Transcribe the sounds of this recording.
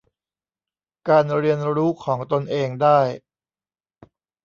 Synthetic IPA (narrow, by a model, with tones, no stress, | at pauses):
kaː˧nɾi˧ənɾuː˦˥kʰɔː˩˦ŋt̪o˧nʔeː˧ŋdaː˥˩j